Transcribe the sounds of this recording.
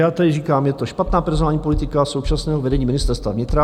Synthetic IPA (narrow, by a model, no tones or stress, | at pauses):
jaːt̪ɛdɪriːkaːmjɛt̪oʃpat̪naːpɛɾzonaːlɲiːpolit̪ɪkaso̞wt͡ʃasnɛːɦovɛdɛɲiːmɪnɪst̪ɛɾst̪vavɲɪt̪ɾa